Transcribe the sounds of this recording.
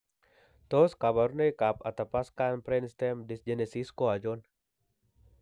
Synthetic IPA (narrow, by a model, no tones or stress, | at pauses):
t̪ɔskabaɾnəjkap̚at̪apaskanpɾɛnst̪ɛmdisd͡ʒɛnesiskoad͡ʒɔn